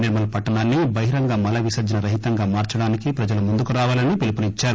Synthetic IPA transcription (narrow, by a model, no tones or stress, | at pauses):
niɾmɐlɐpɐʈːɐnaːnːibɐɦiɾɐŋɡaːmɐlɐʋisɐd͡ʒɐnɐɾɐɦit̪ɐŋɡaːmaːɾt͡ʃɐɽaːnikipɾɐd͡ʒɐlɐmund̪ukuɾaːʋaːlɐnːipilupɐnit͡ʃːaːɾu